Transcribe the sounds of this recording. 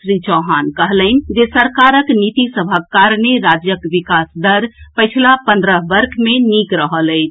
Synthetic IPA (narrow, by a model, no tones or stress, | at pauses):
sɾit͡ʃɔɦankəɦlənd͡ʒesəɾkaɾəknit̪isəbʱəkːaɾneɾad͡ʒjəkʋikasd̪əɾpəjt͡ʃʰlapə̃nd̪ɾəɦbəɾkʰmenikɾəɦələt͡ʃʰ